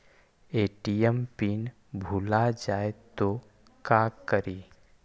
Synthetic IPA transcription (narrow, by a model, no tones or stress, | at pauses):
eːʈijəmpiːn | bʱuːlad͡ʒaːet̪o | kakəɾiː